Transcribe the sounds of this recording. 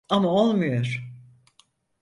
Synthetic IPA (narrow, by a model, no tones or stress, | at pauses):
amao̞lˠmujoɾ̥